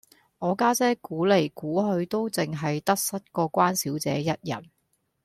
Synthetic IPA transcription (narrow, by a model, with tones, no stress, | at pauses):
ŋɔː˨˧kaː˥t͡sɛː˥kuː˨˥le˨˩jkuː˨˥ɦɵ˧ɥt̪o˥wt͡sɪ˨ŋɦɐ˨jt̪ɐ˥k̚sɐ˥t̚kɔː˧kʷaː˥nsiː˨˥wt͡sɛ̰ː˨˥jɐ˥t̚jɐ̰˨˩n